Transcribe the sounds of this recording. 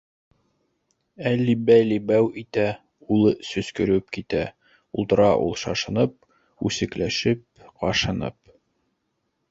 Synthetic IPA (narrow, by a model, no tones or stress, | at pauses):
ælːibæjlibæwit̪æ | ulˠɤsɵ̆skɵ̆ɾɵp̚kit̪æ | ulˠt̪ɤ̆ɾɑʔṵlˠʃɑʃɤ̆nɤp̚ | ʉsɘ̆klæʃɘp̚qɑʃɤ̆nɤ̰p̚